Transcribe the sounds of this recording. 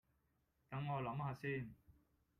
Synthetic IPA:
k̪ɐ˨˥ŋŋɔː˨˧lɐ˨˥mɦaː˨˧siː˥˩n

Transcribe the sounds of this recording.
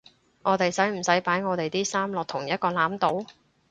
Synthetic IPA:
ŋʔɔː˨˧t̪e˨jsɐ˨˥jm̩˨˩sɐ˨˥jpaː˨˥jŋɔː˨˧t̪e˨jt̪iː˥saː˥mlɔː˨k̚t̪ʰʊ˨˩ŋjɐ˥t̚kɔː˧laː˨˥mt̪o˨˥w

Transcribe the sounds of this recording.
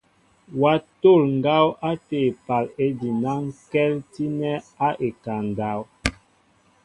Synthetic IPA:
wa˦to˦˨lŋ̩˨ɡa˦wa˦te˨pa˨le˦di˨na˦ŋkɛ˦lti˦nɛ˦a˦ʔe˨ka˨ŋ˨ɡa˦w

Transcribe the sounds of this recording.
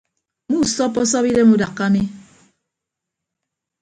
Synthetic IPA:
mu˦˨sɔ˦pːɔ˦s̬ɔ˦pi˦de˦mu˦da˨kːa˦mi˦

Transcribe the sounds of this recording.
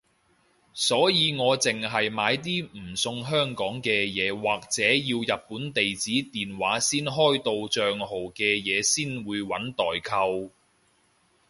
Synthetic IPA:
sɔː˨˥jiː˨˧ŋɔː˨˧t͡sɪ˨ŋɦɐ˨jmaː˨˧jt̪̬iː˥m̩˨˩sʊ˧ŋɦœː˥ŋkɔː˨˥ŋkɛː˧jɛː˨˧waː˨k̚t͡sɛː˨˥jiː˧wjɐ˨t̚puː˨˥nt̪e˨jt͡siː˨˥t̪iː˨˩nwaː˨˥siː˥nɦɔː˥jt̪o˧wt͡ʃœː˨ŋɦo˨˩wkɛː˧jɛː˨˧siː˥nwuː˨˧jwɐ˨˥nt̪ɔː˨˩jkʰɐ˧w

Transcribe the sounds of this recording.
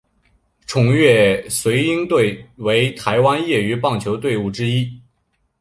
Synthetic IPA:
ʈ͡ʂʰʊ˨˩ŋɥɛ˥˩swe˧˥ɪi˥ŋt̪we˥˩ɪwe˧˥ɪt̪ʰa˧˥ɪwa˥njɛ˥˩y˧˥pɑ˥˩ŋt͡ɕʰjo˧˥ʊt̪we˥˧ɪu˥˩ʈ͡ʂɻ̩˥i˥

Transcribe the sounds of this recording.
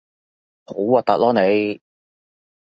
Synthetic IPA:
ho˨˥waː˧˩t̪ɐ˨˥lɔː˨˥ne˨˧j

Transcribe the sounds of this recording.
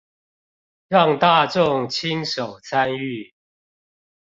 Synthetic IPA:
ɻɑ˥˨ŋt̪a˥˨ʈ͡ʂʊ˥˨ŋt͡ɕʰi˦ŋʂo˨˩ʊt͡sʰa˦ny˥˨

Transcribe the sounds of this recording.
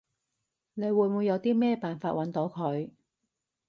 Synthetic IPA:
ne˨˧jwuː˨˧jmu˨˧jɐ˨˧wt̪iː˥mɛː˥˩paː˨nfaː˧t̚wɐ˨˥nt̪o˨˥wkʰɵ˨˧ɥ

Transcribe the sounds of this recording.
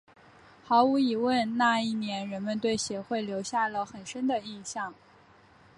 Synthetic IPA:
xɑ˧˥ʊu˧˥i˨˩wə˥˧nna˥˧i˥˩njɛ˧˥nɻə˧˥nmə˧nt̪we˥˩ɪɕjɛ˧˥xwe˥˩ɪljo˧˥ʊɕja˥˩lə˩xə˨˩nʂə˥nd̪ə˨i˥˧ɕjɑ˥˩ŋ

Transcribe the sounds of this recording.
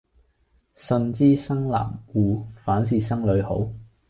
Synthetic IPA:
sɵ˧nt͡siː˥sɐ˥ŋla̰ː˨˩mwuː˨˧faː˨˥ns̬iː˨˩sɐ˥ŋlɵ˨˧ɥho̰˨˥w

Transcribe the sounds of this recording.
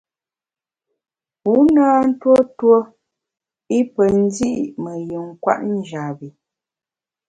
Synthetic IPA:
pu˨˦naː˦n̩˦two˦two˦ | i˦pə˨n̩˦di˦ʔi˨mə˨jə˨ŋ˦kwa̰˦ʔn̩˦d͡ʒa˨bi˨

